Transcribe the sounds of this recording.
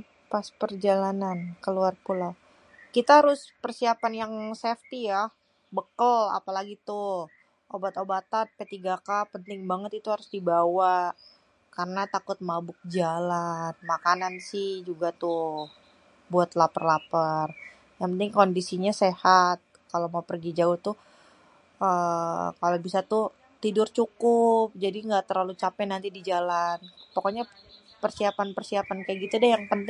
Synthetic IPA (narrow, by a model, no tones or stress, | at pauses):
paspərd͡ʒalanankəluarpula | kit̪aɦaɾʊspərsiapanjaŋsɛft̪ijah | bəkəla̰palaɡit̪ʊ | ʔobat̪obat̪an̚pet̪iɡakapənt̪ɪŋbaŋət̪it̪uhaɾʊsdibawaʔ | kaɾənat̪akʊt̪̚mabʊk̚d͡ʒalanmakanansɪhd͡ʒuɡat̪ʊ | buat̪lapərlapar | jaŋpənt̪ɪŋkondisiɲasehat̪̚kalomaupərɡid͡ʒaʊht̪ʊ | əkalobisat̪ʊ | t̪idʊrt͡ʃukʊp̚d͡ʒadiŋɡaʔt̪ərlalut͡ʃapɛnant̪idid͡ʒalanpokoɲa | pərsiapanpərsiapankajaʔɡit̪uadajaŋpənt̪ɪŋ